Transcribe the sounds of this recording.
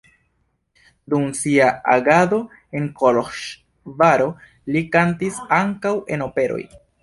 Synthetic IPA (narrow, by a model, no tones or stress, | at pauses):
dumsiaaɡado̞ | e̞nkoloʃ | vaɾo̞ | likantisaŋkawe̞no̞pe̞ɾo̞̰j